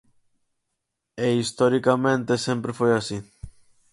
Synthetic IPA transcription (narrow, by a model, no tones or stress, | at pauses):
eist̪oɾikamẽnt̪esempɾefojasi